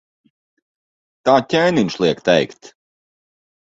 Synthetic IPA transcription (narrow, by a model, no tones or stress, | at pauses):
t̪aːcʲɛːniɲʲʃlˠiɛkt̪ɛjkt̪